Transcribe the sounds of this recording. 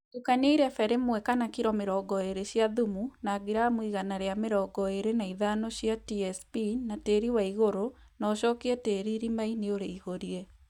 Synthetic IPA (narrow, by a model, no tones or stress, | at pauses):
tukaɲeiɾɛfɛɾemwɛkanakiɾɔmeɾɔːɡɔeɾeɕjaðumunaːɡiɾamwiɣanaɾeameɾɔɡɔeɾenaiðanoɕjatiɛspinateːɾiwaiɣoɾo | nɔːɕɔːkiɛteːɾiɾimaineoɾeiɣoɾiɛ